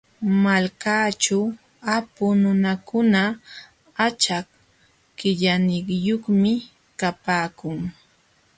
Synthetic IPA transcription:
malkaːt͡ʃa | apʊnʊnakʊna | at͡ʃak | kɪʎanɪhjoχmɪ | kapaːkʊŋ

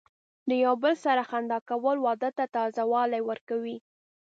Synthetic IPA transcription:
d̪əjawbəlsaɾaxand̪ɑkawəlwɑd̪ət̪at̪ɑzawɑlajwəɾkawi

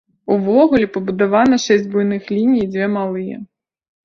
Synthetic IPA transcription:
uvɔɣulʲipɐbud̪avanɐʂɛsʲd͡zʲbujnɨxlʲinʲijid͡zʲvʲɛmalˠɨjɛ̰

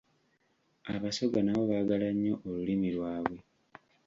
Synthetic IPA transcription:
aβaso̞ɡanaβo̞βaɡalaɲːo̞ʔolulimilwaːβwe̞

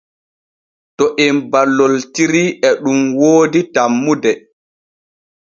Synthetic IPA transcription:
tɔʔɛmbalːoltiɾiʔɛɗumwoːditamːudɛ

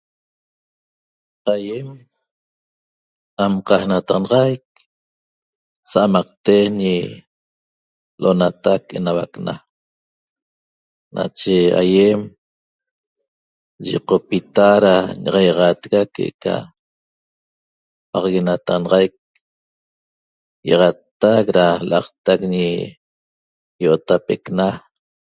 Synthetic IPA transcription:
ajem | amqɑhnat̪ʁɑnɑʁajk̚ | saʔamɑq̚t̪eɲi | lʔonat̪akenawa̰kna̰ | nʔa̰t͡ʃea̰jem | ʒḭqopit̪aɾaɲɑʁɑjʁɑt̪ɣakeʔḛka̰ | pɑʁɣenat̪aɑnɑʁɑjk̚ | jḛʁɑt̪ːakɾalɑqt̪akɲi | joʔot̪apekna

